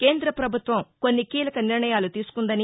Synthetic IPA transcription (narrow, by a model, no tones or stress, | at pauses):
ke̞ːnd̪ɾɐpɾɐbʱut̪ʋɐmko̞nːikiːlɐkɐniɾɳɐjaːlut̪iːsu̥kund̪ɐni